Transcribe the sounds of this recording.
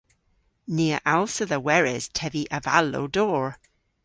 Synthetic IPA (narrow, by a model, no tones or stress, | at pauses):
niəʔalˠsəðəwɛɹɪz̥tʰɛviʔəvalo̰ʊdɔːɹ